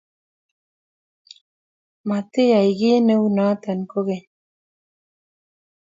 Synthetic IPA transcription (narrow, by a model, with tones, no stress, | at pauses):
ma˨t̪e˦ja˨i˨ɡe˦ne˦wna˦t̪a˨nko˦ɣe˨